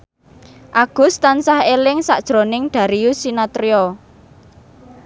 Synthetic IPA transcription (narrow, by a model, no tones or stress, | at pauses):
ʔaɡ̥ʊ̤st̪ansahelɪŋsaʔd̥ʒ̥ɾo̤nɪŋɖ̪̥ä̤ɾiusinat̪ɾiɔ